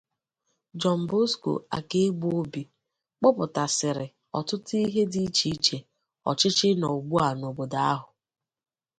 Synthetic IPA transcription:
d͡ʒɔ˨m̩˨bo˦sko̰˨a̰˨ke˦ɡ͡bo˦bi˨ | k͡pɔ˦pʊ˨ta˨sɪ˨ɾɪ˨ | ɔ̰˨tʊ˦ti˦ɦe˦di˦t͡ʃi˦t͡ʃe˨ | ɔ̰˨t͡ʃɪ˦t͡ʃɪ˦no˨o˨ɡ͡bu˦a˨no˨bo˨da˦a̰˦ɦʊ˨

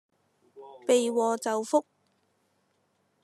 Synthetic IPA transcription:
pe˨jwɔː˨t͡sɐ˨wfʊ˥k̚

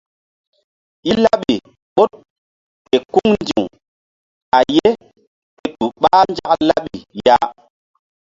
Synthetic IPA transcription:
i˦la˦ɓi˨ | ɓo˦t̚ | pe˨ku˦ŋnd͡ʒi˨ŋ | a˨je˦ | pe˨tu˨ɓa˦nd͡ʒa˦kla˦ɓi˨ja˦

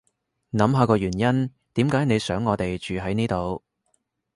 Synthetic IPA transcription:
nɐ˨˧mɦaː˧kɔː˧ɥyː˨˩njɐ˥n | t̪iː˨˥mkaː˨˥jne˨˧jsœː˨˥ŋːɔː˨˧t̪e˨jt͡ʃyː˨ɦɐ˨˥jniː˥t̪o˨w

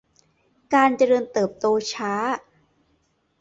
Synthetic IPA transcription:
kaː˧nt͡ɕa˧ɾɤː˧nt̪ɤː˨˩p̚t̪oː˧t͡ɕʰaː˦˥

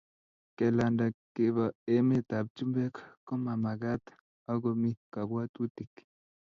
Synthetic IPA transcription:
kɛ˨la˨nda˨ke˨βa˨e˨me˦t̪a˨b̚t͡ʃu˦mbɛ˦kkɔ˦ma˨ma˨ɡa˦t̪ | a˦ɡo˨mi˦ka˨bwa˦t̪u˦t̪i˨k

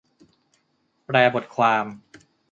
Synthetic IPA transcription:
pɾɛː˧bo˨˩t̪̚kʰwaː˧m

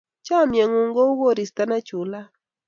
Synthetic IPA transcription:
t͡ʃa˦˨mjɛ˨ŋʊ˨ŋɡo˦wo˦˨ɾi˨st̪a˦na˦t͡ʃʊ˨la˦

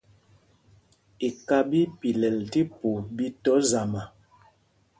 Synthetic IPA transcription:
i˨ka˦bi˦pi˨lɛ˨lti˦pu˨bi˦tɔ˨˦za˨ma˨

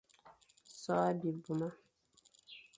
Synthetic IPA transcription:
sɔː˦a˦bi˨bu˨ma˦

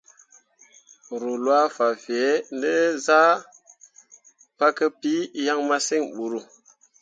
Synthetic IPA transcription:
ɾu˨lwa˦fa˨fi˨e˨˦ndə˦za˦ | pa˦kə˦pi˦ja˦ŋma˦si˦ŋɓu˨ɾu˦

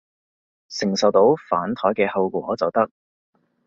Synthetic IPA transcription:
sɪ˨˩ŋsɐ˨wt̪o˨˥wfaː˨˥nt̪ʰɔː˨˥jkɛː˧hɐ˧wkʷɔː˨˥t͡sɐ˨wt̪ɐ˥k̚

